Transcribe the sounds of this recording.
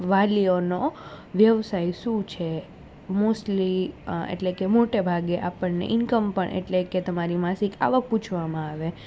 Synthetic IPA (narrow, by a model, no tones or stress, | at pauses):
ʋalionoʋjəʋsajʃũt͡ʃʰe | mosʈliḛʈlekemoʈebʱaɡeʔapəɳnḛʔɪnkəmpəɳʔḛʈleket̪əmaɾimasika̰ʋək̚put͡ʃʰʋamãaʋe